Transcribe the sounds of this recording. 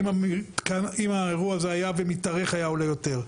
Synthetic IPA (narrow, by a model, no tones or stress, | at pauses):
matkanimaeʁuaazeajavemitaʁeχajaolejo̞te̞ʁ